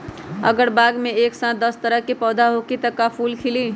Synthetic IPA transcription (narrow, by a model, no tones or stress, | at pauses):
ə̰ɡəɽbaɡmeeksãt̪̚d̪əst̪əɾəɦkepəd̪aɦokit̪əkapʰulkʰili